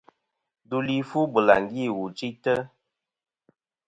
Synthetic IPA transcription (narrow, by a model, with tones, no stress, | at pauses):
du˦li˦fu˦bə˨la̰˨ŋ˨ɡi˦˨wu˨t͡ʃi˦tə˦